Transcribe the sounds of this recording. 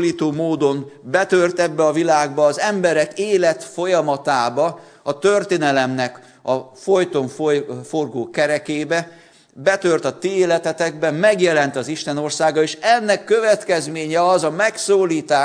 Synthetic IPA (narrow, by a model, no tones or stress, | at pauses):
liːt̪oːmoːd̪o̞mbɛt̪ørt̪ɛbːɛɒvilaːɡbɒːzɛmbɛɾɛkeːlɛt̪fo̞jɒmɒt̪aːbɒ | ɒt̪ørt̪eːnɛlɛmnɛk | ɒfo̞jt̪o̞ɱfforɡoːkɛɾɛkeːbɛ | bɛt̪ø̞rt̪ɒt̪ieːlɛt̪ɛt̪ɛɡbɛmɛɡjɛlɛnt̪ɒziʃt̪ɛno̞rsaːɡɒeːʃɛnːɛkːø̞vɛt̪kɛzmeːɲɛɒzɒmɛksoːliːt̪aː